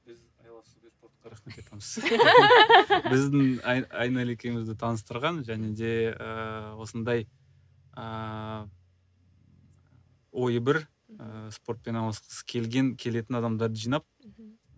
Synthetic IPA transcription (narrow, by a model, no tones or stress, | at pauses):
bɪzɑjlˠɑsuspoɾt̪̚qɑɾɑχme̞t̪ɑjt̪ɑməz | bɪzd̪ɪŋɑjnɑlekʲe̞jmɪzd̪ɪt̪ʰɑnəs̬t̪əɾʁɑnʒæne̞d̪e̞əwo̞sənd̪ɑj | ə | wʔo̞jəbɪɾ | əspo̞ɾt̪̚pe̞nɑlˠɑsqə̥sə̥kʲʰe̞lɡʲe̞ŋkʲʰe̞le̞t̪ɪnɑd̪ɑmd̪ɑɾd̪əʒijnɑp̚